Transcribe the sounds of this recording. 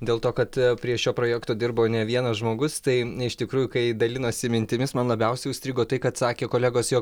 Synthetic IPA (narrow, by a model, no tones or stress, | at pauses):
d̪ʲeːlˠt̪oːkɐt̪pʲɾʲiɛʃʲoːpɾoːjæːkt̪oːd̪ʲɪrbɐnʲɛʋʲiɛnɐsʒmoːɡʊst̪ɐɪɪʃt̪ʲɪkɾuːjʊkɐɪd̪ɐlʲɪnoːsʲɪmʲɪnʲt̪ʲɪmʲɪsmɐnlˠɐbʲɛʊsʲɛɪʊsʲt̪ɾʲiːɡoːt̪ɐɪkɐt̪sɑːkʲeːkoːlʲæːɡoːsjoːk